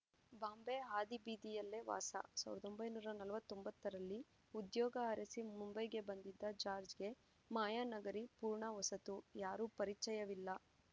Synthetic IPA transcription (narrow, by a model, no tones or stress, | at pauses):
baːmbeɦaːd̪ibiːd̪ijɐlːe̞ʋa̰ːsɐ̰saːʋiɾɐd̪o̞mbɐjnuːɾɐnɐlɐʋɐt̪ːombɐt̪ːɐɾɐlːi | ud̪jɔːɡɐɦɐɾɐsimumbɐjɡe̞bɐnd̪id̪ːɐd͡ʒaːɾd͡ʒɡe̞ | maːjaːnɐɡɐɾipuːɾɳɐʋɐsɐt̪ujaːɾuːpɐɾit͡ʃːɐjɐʋilːɐ